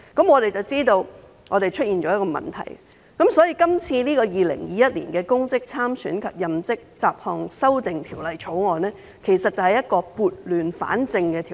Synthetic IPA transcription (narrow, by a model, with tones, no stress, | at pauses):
kɐ˨˥mŋɔː˨˧ɾe˨jt͡sɐ˨wt͡siː˥t̪o˧w | ŋɔ̰ː˨˧t̪e˨jt͡ʃʰt̚jiː˨nt͡ʃɔː˨˥jɐ˥kɔː˧mɐ̰˨˩nt̪ʰɐ̰˨˩j | kɐ˨˥msɔː˨˥jiː˧kɐ˥mt͡sʰiː˧niː˥kɔː˧jiː˨˧lɪ̰˨˩ŋjiː˨˧jɐ˥t̚liː˨˩nkɛː˧kʊ˥ŋt͡sɪ˥k̚t͡sʰaː˥msy̰ː˨˥nkʰɐ˨p̚jɐ˨mt͡sɪ˥k̚t͡saː˨p̚hɔː˨˧ŋsɐ˥wt̪ɪ˨ŋt̪ʰiː˨˩wlɐ˨jt͡ʃʰo˨˥wŋɔː˨˩nɛː˥ | kʰe˨˩jsɐ˨t̚t͡sːɐ˨˩hɐ˨jɐ˥t̚kɔː˧puː˨t̚lyː˨nfa̰ː˨˥nt͡sɪ˧ŋkɛː˧t̪ʰiː˨